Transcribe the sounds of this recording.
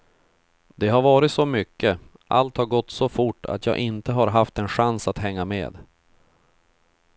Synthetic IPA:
d̪ɛɦaɾvɑːɾɪt̪sɔmʏkʰːə | ʔa̰lt̪haɾɡɔt̪ːsɔfʊʈːa̰t̪ʰjɑ̰ːɡʔɪnt̪əɦaɾɦaft̪ɛnɧansat̪ɦɛŋːamḛːd̪

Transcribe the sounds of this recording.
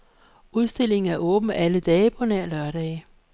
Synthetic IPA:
uðˠsd̥e̝l̰e̝ŋn̩æɐʔɔ̽ːb̥n̩æləd̥ɛːəpʰɒ̽næɐ̰lɶɐɾ̥ɛːɪ

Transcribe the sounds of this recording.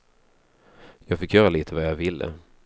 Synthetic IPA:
jɑːɡfɪkʰːjœːɾaliːt̪ʰəvajɑvɪlːə̰

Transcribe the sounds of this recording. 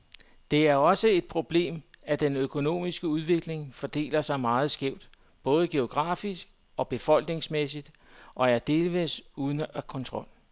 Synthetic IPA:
d̥e̝æɐɒ̽səe̝d̥̚pʰʁo̝b̥le̝̰ːmæd̥enøkʰo̝no̝̰ːmisɡ̥əuð̞ˠʋe̝ɡ̥le̝ŋfɒd̥e̝̰ːlɐsɑ̈ɪmɑ̈ːð̞̩ˠsɡ̥eʊd̥ | b̥ɔ̽ːð̞̩ˠəɡ̥e̝o̝ɡ̥ʁɑ̰̈ːfisɡ̥ | ɒ̽b̥e̝fɒ̽l̰ɡ̥ne̝ŋsmes̬id̥ | ʔɒ̽æɐd̥e̝ːlʋesuːð̞ˠnækʰɒ̽nt͡sʰʁɒ̽l̰

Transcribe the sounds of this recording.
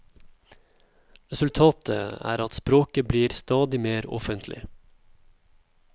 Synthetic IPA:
ɾɛsʉlt̪ʰɑːt̪ʰə̰æ̰ːɾɑt̪spɾoːkəbliːɾst̪ɑːd̪ɪmeːɾɔ̰fənt̪ʰlɪ̰

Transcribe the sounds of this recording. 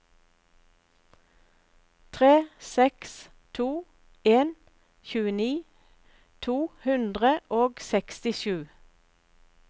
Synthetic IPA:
t̪ʰʁeːsɛks | t̪ʰuː | eːn | çʉːəniː | t̪ʰuːhʉnd̪ʁəʔoːɡsɛkst̪ɪʃʉː

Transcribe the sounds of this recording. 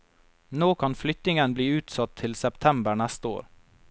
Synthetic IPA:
noːkʰɑnflʏt̪ɪŋənbliːʉːt̪sɑt̪ʰːɪlsɛpt̪ʰɛmbəɳæst̪əo̰ːɾ

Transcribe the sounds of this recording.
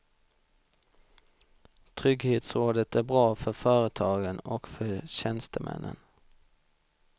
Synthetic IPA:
t̪ʰʁʏɡheːt̪sʁoːd̪ət̪æːbʁɑːfœfœːɾət̪ʰɑːɡənɔkfœɕɛnst̪əmʔɛ̰nʔə̰n

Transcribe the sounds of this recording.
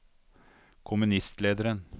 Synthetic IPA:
kʰʊmʉnɪst̪leːd̪əɾən

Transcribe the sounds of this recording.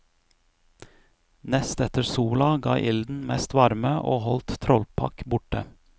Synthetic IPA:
nɛst̪ɛt̪əɾsuːlɑɡɑːʔɪld̪n̩mɛst̪ʋɑɾməʔoːhɔlt̪t̪ʰɾɔlpʰɑ̰kbʊʈə̰

